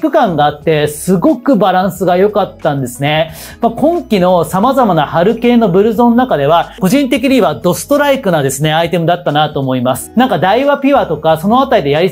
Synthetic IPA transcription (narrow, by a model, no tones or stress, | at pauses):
kɯ̟kãŋɡaːt̪ːe̞sɨɡo̞kɯ̟baɾãɰ̃sɨɡajo̞kat̪ːãnd̪e̞sɨne̞ | makõ̞ŋkʲino̞samazamanahaɾɯ̟ke̞ːno̞bɯ̟ɾɯ̟zõ̞nːakad̪e̞βako̞ʑĩnt̪e̞k̬ʲiɲ̟iβad̪o̞sɨ̥t̪o̞ɾaikɯ̟nad̪e̞sɨne̞ait̪e̞mɯ̟d̪at̪ːanat̪oːmo̞imasɨ̥nãŋkad̪aiβapʲiβat̪o̞kaso̞no̞at̪aɾid̪e̞jaɾʲi